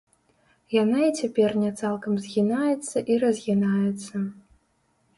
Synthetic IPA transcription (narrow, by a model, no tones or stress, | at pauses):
janait͡sʲapʲɛrnʲɛt̪salˠkɐmzʲɣʲinajɛt̪sːɐʔiɾɐzʲɣʲinajɛt̪sːɐ